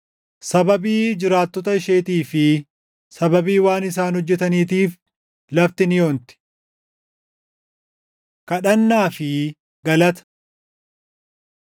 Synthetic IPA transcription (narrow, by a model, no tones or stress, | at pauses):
sɐbɐbiːd͡ʒɪɾaːt̪ːɔt̪ɐɪʃeːt̪iːfɪ | sɐbɐbiːwaːnɪs̬aːnhɔd͡ʒːɛt̪ɐniːt̪iːf | lɐft̪ɪnɪjo̞ːnt̪ɪ̥ | kɐᶑɐnːaːfɪ | ɡɐlɐt̪ɐ̥